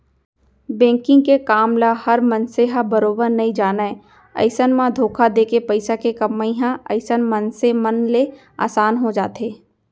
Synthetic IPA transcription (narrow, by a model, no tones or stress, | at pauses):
bɛ̃ːŋkɪ̃ŋɡkekaːmlahɐɾmənseɦabəɾoːbəɾnɐĩd͡ʒaːnae | ɐ̰ɪsənmãd̪ʱoːkʰad̪eːkepɐɪsakekɐmːəĩɦãɐ̰ɪsənmənsemɐnle | a̰ːsaːnɦod͡ʒaːt̪eː